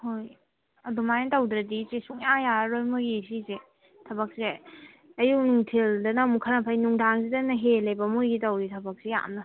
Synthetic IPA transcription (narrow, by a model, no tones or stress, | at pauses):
hoj | ɐdumajntɐwd̪ɾadit͡ʃisuŋjajaɾojmɯɡisize | tʰɐbak̚se | ɐjunuŋtʰildɐnamukʰaɾnapʰajnuŋdaŋzidɐnɐɦelɐjbɐmujɡitɐwɾitʰɐbak̚seja̰mnɐ